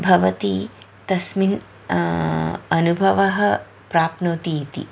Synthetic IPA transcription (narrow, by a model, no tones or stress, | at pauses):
bʱɐʋɐt̪i | t̪ɐsmin | ɐnubʱɐʋɐɦɐ | pɾaːpnoːt̪iit̪ḭ